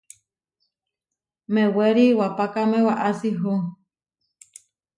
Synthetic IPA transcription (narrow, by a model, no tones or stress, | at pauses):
meweɾiwapakamẽwaʔasiɦu